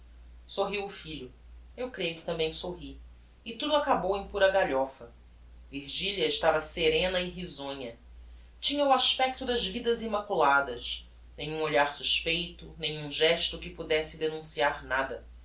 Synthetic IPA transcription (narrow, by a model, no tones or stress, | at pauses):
soɦiwʊfiʎʊ | ewkɾejʊkɪ̥t̪ɐ̃mbẽj̃soɦi | ɪt̪ud̪ʊakabowẽj̃puɾɐɡaʎɔfɐ | viɾʒiʎiɐɪʃt̪avɐseɾẽnɐɪɦizõɲɐ | t͡ʃĩɲɐuaʃpɛk̚t̪ʊd̪ɐʒvid̪ɐzimakulad̪ɐʃ | nẽj̃ũoʎaɾsuʃpejt̪ʊnẽj̃ũʒɛʃt̪ʊkɪpud̪ɛsɪd̪enũsiaɾnad̪ɐ